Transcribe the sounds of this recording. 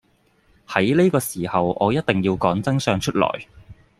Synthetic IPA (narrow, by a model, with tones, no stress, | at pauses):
hɐ˨˥jle˥kɔː˧siː˨˩hɐ˨wʔɔ̰ː˨˧jɐ˥t̚t̪ɪ˨ŋjiː˧wkɔː˨˥ŋt͡sɐ˥ŋsœː˧ŋt͡ʃʰɵ˥t̚lɔ̰ː˨˩j